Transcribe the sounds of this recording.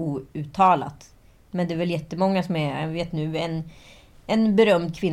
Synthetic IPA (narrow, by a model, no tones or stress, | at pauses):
uːʉ̟ːt̪ʰɑːla̰t̪ | mɛnd̪ɛːɾvɛljɛt̪ːəmɔŋːasɔmɛveːt̪nʉ̟ːɛn | ɛnbɛɾœmd̪̚kʰvɪn